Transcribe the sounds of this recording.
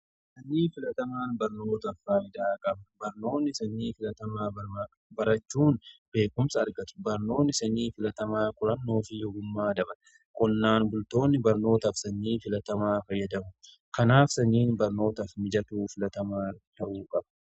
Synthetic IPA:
sɐnːiːfɪlɐt̪ɐmaːnbɐɾno̞ːt̪ɐfːaːɪd̪aːkʼɐbɐbɐɾno̞ːnːɪsɐnːiːfɪlɐt̪ɐmaːbɐɾaː | bɐɾɐt͡ʃːuːnb̥e̞ːkʊmsɐːɾɡɐt̪ʊ̥bɐɾno̞ːnːɪsɐniːfɪlɐt̪ɐmaːkʼʊɾɐnːo̞ːfɪjɔɡʊmːaːd̪ɐbɐn | kʊnːaːnbʊlt̪o̞ːnːɪbɐɾno̞ːt̪ɐfsɐnːiːfɪlɐt̪ɐmaːfɐjːɐd̪ɐmʊ | kɐnaːfsɐnːiːnbɐɾno̞ːt̪ɐfmɪd͡ʒɐt̪uːfɪlɐt̪ɐmaːt̪ɐʔuːkʼɐb̥

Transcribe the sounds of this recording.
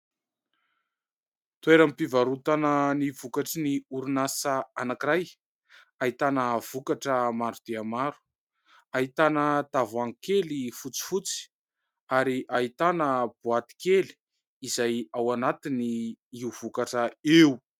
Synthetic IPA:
t̪ueɾampivaɾut̪anənivukaʈ͡ʂiniuɾunasəanakiɾaj | ait̪anəv̥ukaʈ͡ʂəmaɖ͡ʐud̪̥eamaɾu̥ | aɦit̪anət̪avaŋkelifut͡si̥fut͡si̥ | aɾiʔaɦit̪anəb̥uat̪i̥keli̥ | izajawanat̪iniiuv̥ukaʈ͡ʂəeu

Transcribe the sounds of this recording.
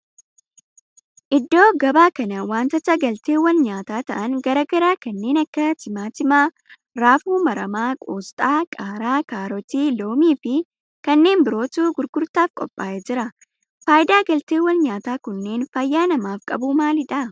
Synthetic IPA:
ʔɪd̪ːo̞ːɡɐbaːkɐnɐwaːnt̪ɐt̪ɐɡɐlt̪eːwːɐnɲaːt̪aːt̪ɐʔɐnɡɐɾɐɡɐɾaːkɐnːe̞ːnɐkːɐt̪ɪmaːt̪ɪmaː | ɾaːfuːmɐɾɐmaːkʼoːst̪ʼaːkʼaːɾaːkaːɾɔt̪iːlo̞ːmiːfɪ | kɐnːe̞ːnbɪɾo̞ːt̪uːɡʊɾɡʊɾt̪aːfkʼɔpʼːaːʔed͡ʒɪɾɐ | faːjɪd̪aːɡɐlt̪eːwːɐnɲaːt̪aːkʊnːe̞ːnfɐjːaːnɐmaːfkʼɐ̰buːmaːlɪᶑɐ

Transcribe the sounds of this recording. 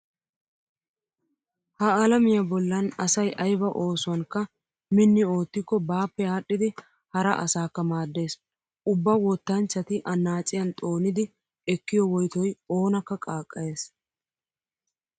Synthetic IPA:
hɐɐlɐmɪjɐbɔlːɐnɐsɐjʔɐjbɐʔo̞ːsʊwɐŋkːɐ | mɪnːɪo̞ːt̪ːɪkːɔbaːpːɛjaːɗːɪd̪ɪ | hɐɾɐʔɐsaːkːɐmaːd̪ːe̞ːs | ʊbːɐwɔt̪ːɐnt͡ʃːɐt̪ɪʔɐnːaːt͡sʼːɪjɐnt̪ʼo̞ːnɪd̪ɪ | ɛkːɪjɔwɔjt̪ɔjo̞ːnɐkːɐkʼaːkʼːɐje̞ːs

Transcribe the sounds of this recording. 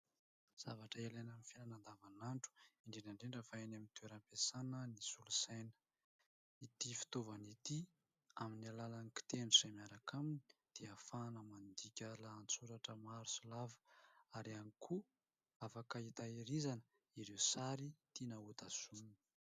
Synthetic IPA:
z̥avaʈ͡ʂəelanəmifinanand̪avanaɳʈ͡ʂu̥iɳɖ͡ʐenaɳɖ͡ʐeɳɖ͡ʐəfaenamint̪ueɾampesanənisulusajnə̥ | it̪ifi̥t̪ovanit̪i | aminialalaniki̥t̪enusajmaɾakʰamini̥d̪̥eafanəmand̪ikʲəlaːnt͡suɾaʈ͡ʂəmaɾusulavu̥aɾianikʰu | afakait̪aiɾizanə | iɾewsaɾit̪inaut̪az̥umini̥

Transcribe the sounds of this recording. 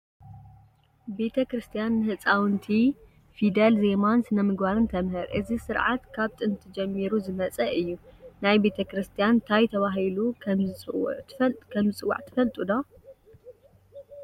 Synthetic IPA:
be̞t̪ʰɐkɾɨst̪ʰijanːɨhɨt͡sʼawnt̪ʰi | fid̪elze̞mansɨnɐmɨɡbaɾɨnt̪ʰɐmhɨɾʔɨzisɨɾʕa̰t̪kʰaβt̪ʰʼɨnt̪ʰɨd͡ʒɛmːiɾuzɨmɐt͡sʼɐʔɨjːunajbe̞t̪ʰɐkɾɨst̪ʰijant̪ʰajt̪ʰɐβaɦilukʰɐmzɨw̰̪kʰɐmzɨt͡sʼɨwːa̰ʕt̪ʰɨ̥fɐlt̪ʼud̪o

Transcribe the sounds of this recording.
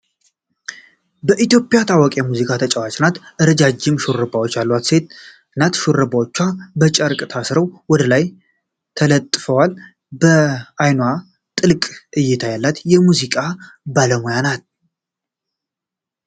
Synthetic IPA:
bəʔit̪jo̞pʼɪjat̪ʰawɔkʼjɛmuzikʼat̪ʰət͡ʃʼəwat͡ʃʼnat̪ʔɨɾəd͡ʒad͡ʒːɪmʃuɾɨbawot͡ʃːjalːwat̪se̞t̪̚ | ɨnːat̪ʃuɾɨbawot͡ʃːwabət͡ʃʼəɾkʼt̪ʰasɾəwwɔd̪əlaj | t̪ʰələt̪ʼːfəwal | bəajnwa | t̪ʼɨlkʼʔɨjːɛt̪ʰajalːat̪jɛmuzikʼa | baləmojanat̪̚

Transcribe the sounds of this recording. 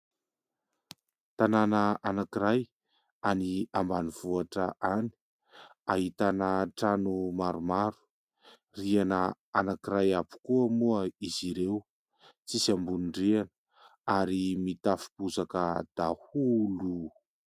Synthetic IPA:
t̪ananəanakiɾaj | aniambaniv̥uaʈ͡ʂəʔani̥ | aɦit̪anəʈ͡ʂanumaɾumaɾu̥ | rianə | anakiɾajapu̥kuəmuəiziɾew | t͡sisambunɳɖ͡ʐeanə | aɾimit̪afi̥buzakəd̪̥ahulu

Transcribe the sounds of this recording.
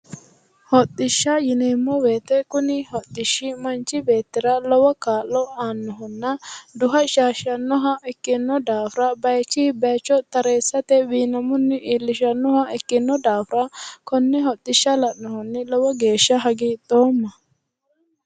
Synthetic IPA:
hɔt̪ːɪʃːɐjɪneːmːɔbe̞ːt̪ɛkʊnɪhɔt̪ːɪʃːɪmɐnt͡ʃːɪbe̞ːt̪ːɪɾɐlɔwɐkaːlːɔaːnːɔɦɔnːɐd̪ʊɦɐʃaːʃɐnːɔɦɐʔɛkːɪnːɔd̪aːfʊɾɐbɐjt͡ʃːiːbɐjt͡ʃːɔt̪ɐɾeːsːɐt̪ɛwiːnɐmʊnːɪʔiːlːɪʃɐnːɔhɐɛkːɪnːɔd̪aːfɾɐkɔnːɛɦɔt̪ːɪʃːɐlɐʔnɔhɔnːɪlɔwɐɡe̞ːʃːɐɦɐɡit̪o̞ːmːɐ

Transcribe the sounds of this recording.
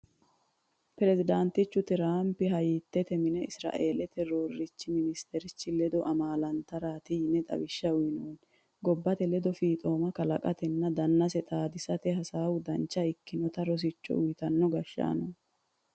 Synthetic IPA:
pɛɾɛzɪd̪ant̪ɪt͡ʃːʊt̪ɪɾaːmpɪɦɐjɪt̪ːɛt̪ɛmɪnɛɪsɾa̰ːʔeːlɛt̪ɛɾoːrːɪt͡ʃːɪmɪnɪst̪ɛɾɪt͡ʃːɪlɛd̪ɔʔɐmaːlɐnt̪ɐɾaːt̪ɪhɪnɛt̪ʼɐ̰wɪʃːɐʊjnoːn | ɡɔbːɐt̪ɛlɛd̪ɔfiːt̪ʼo̞ːmɐkɐlɐkʼɐt̪ɛnːɐd̪ɐnːɐsɛt̪ʼaːd̪ɪsɐt̪ɛɦɐsaːwʊd̪ɐnt͡ʃːɐɪkːɪnɔt̪ɐɾɔs̬ɪt͡ʃːɔ̰ʊjt̪ɐnːɔɡɐʃːa̰ːnɔ

